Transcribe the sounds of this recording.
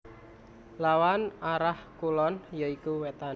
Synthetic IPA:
lawanaɾahkulɔnjaikuwet̪a

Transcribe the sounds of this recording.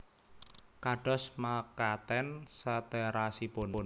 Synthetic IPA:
kaɖ̥ɔ̤smakat̪ɛnsat̪ɛɾasiponn

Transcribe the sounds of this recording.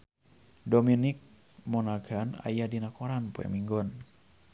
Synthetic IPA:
dominik̚ | mɔnaɡana̰jadinakoɾanpoɛ̰miŋɡɔn

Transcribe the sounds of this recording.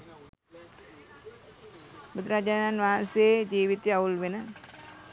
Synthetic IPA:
bud̪ɾaːd͡ʒaːnanʋaɦanseed͡ʒiːʋit̪eaulʋenə

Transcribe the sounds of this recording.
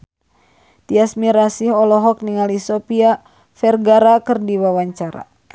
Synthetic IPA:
t̪iasmiɾasihɔlɔɦɔk̚niŋalisɔpia | fɛrɡaɾakɨrdiwawaɲt͡ʃaɾa̰

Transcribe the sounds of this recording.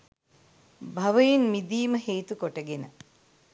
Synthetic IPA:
bʱɐʋəjinmid̪iːməɦeːt̪ukoʈəɡenə

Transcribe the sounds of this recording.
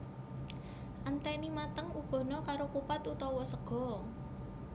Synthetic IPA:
ʔant̪ɛnimat̪əŋuɡ̥ɔ̤nɔkaɾokupat̪ut̪ɔwɔsəɡ̥ɔ̤

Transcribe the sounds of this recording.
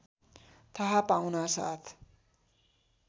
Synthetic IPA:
t̪ʰʌɦapawnasa̰t̪ʰ

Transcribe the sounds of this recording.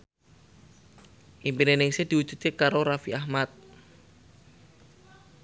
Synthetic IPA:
ʔimpinenɪŋsehd̪̥i̤wud̥d͡ʒ̥u̥t̪̚kekaɾoɾafiahmat̪̚

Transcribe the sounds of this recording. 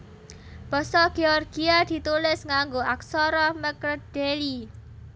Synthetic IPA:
b̥ɔ̤sɔɡ̥eɔrɡiad̪̥i̤t̪ulɪsŋaŋɡoʔaksɔɾɔməkd̥eli

